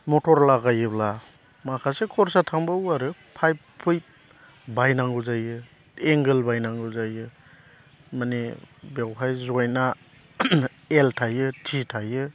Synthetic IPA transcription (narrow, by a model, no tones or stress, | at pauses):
mɔtɔɾlaɡajɯbla | makʰasekʰɔɾsatʰaŋbawaɾɯpʰajbpʰɯj | bajnaŋɡɯzajɯ | eŋɡelbajnaŋɡuzajɯ | manibewɦʰajzɔjna | eltʰajɯtʰitʰajɯ